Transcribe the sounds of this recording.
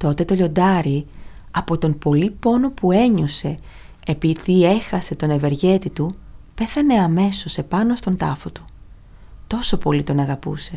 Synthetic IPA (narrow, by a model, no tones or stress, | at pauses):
t̪o̞t̪e̞t̪o̞ʎo̞nd̪ɐɾi | ɐpo̞t̪o̞mpo̞lipo̞no̞pue̞ɲose̞ː | piðie̞xɐse̞t̪o̞ne̞ve̞ɾʝe̞t̪it̪upe̞θɐne̞ɐme̞so̞se̞pɐnost̪o̞nt̪ɐfot̪u̥ | t̪o̞so̞po̞lit̪o̞nɐɣɐpṵse̞